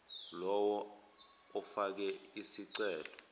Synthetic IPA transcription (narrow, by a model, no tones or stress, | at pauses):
lɔwɔ | ɔfak̬ɛisiǀɛːlɔ